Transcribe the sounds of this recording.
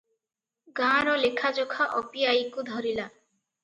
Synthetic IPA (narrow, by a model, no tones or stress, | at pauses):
ɡãɾɔlekʰad͡ʒokʰaʔɔpiajikud̪ʱɔɾila